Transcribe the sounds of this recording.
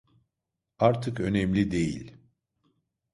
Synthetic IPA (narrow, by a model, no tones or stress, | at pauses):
aɾt̪ʰɯkø̞nɛmlʲid̪e̞jḭlʲ